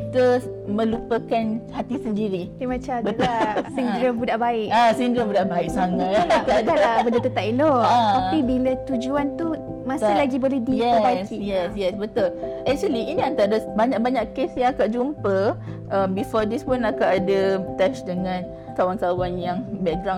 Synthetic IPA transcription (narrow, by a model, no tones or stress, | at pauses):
kit̪ə | mə̃lupəkanhat̪isəndiɾidimãt͡ʃabət̪siŋɡɾəmbudaʔbaɪkasiŋɡɾəmbudaʔbaɪk̚saŋaalabəndət̪ət̪aʔ̚iloaaibilət̪ud͡ʒuant̪u | masɪlaɡibolɛhdijɛəbaskijɛsjɛsbət̪ʊlɛk̚t͡ʃuəliiniant̪aɾabaɲak̚baɲaʔkesjãakaʔd͡ʒumpəʔambifɔdispʊnakaʔadat̪ɛʃdəŋãn | kawaŋkawanjaŋbɛt̚ɡɾa